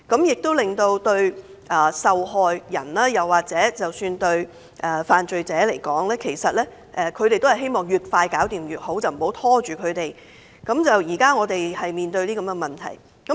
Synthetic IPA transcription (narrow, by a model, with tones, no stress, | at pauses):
kɐ˨˧˥mjɪ˨k̚t̪o˥wlɪ˨˩ŋt̪o˧wt̪ɵ˧ɥ | ʔɐː˨˩sɐ˨wɦɔː˨˧jjɐ˨˩nlaː˥jɐ˨waː˨˩k̚t͡sɛː˨˥t͡sɐ˨wsyː˧nt̪ɵ˧ɥ | ʔɛː˨faː˨nt͡ʃɵ˨ɥt͡sɛː˨˥le˨˩jkɔː˨˥ŋlɛː˥kʰe˨˩jsɐ˨t̚lɛː˥ | ʔɛː˨˧kʰɵ˨˧ɥte˨jt̪whɐ˨˩ɦe˥jmɔː˨ŋjyː˨t̚faː˧jkaː˨˥wt̪iː˨˩mjyː˨˩t̚ho˨˥wt͡sɐ˨wm̩˨˩ho˨˥wt̪ʰɔː˥t͡ʃyː˨kʰɵ˨˧ɥt̪e˨j | kɐ˨˥mt͡sɐ˨wjiː˨˩kaː˥ŋɔː˨˧t̪e˨jhɐ˨jmiː˨nt̪ɵ˧ɥniː˥kɐ˧˥mɡɛ˧mɐ˨nt̪ʰɐ̰˨˩j | kɐ˨˥